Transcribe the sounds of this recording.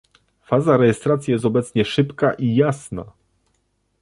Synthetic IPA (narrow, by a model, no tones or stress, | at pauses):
fazaɾɛjɛst̪ɾat̪sʲjijɛst̪ɔbɛt̪sɲɛʂɘpkaʔijasna̰